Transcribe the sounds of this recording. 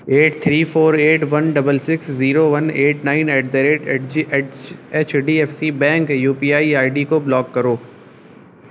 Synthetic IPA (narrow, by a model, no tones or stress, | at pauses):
eːʈ̚t̪ʰɾiːfʰoːɾeːʈʋɐnɖɐbəlsɪksziːɾoʋɐneːʈnaːɪneːʈd̪ɐɾeːʈ | eːt͡ʃʰɖiːɛːfsibɛ̃ːŋkjuːpiːaːiaːɪɖikoblɔːkːɐɾoː